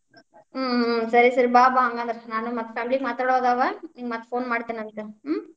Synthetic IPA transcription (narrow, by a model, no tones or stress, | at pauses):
sɐɾisɐɾibaːbaːŋɡɐnd̪ɐɾnaːnɯ̃mɐt̪ːɐfaːmɪlikmɐt̪ːɐɽoðaːʋɐniːɡɐmɐt̪ːɐ̥foːnmaːɽɯt̪ːɯnːɐnɯkːɯm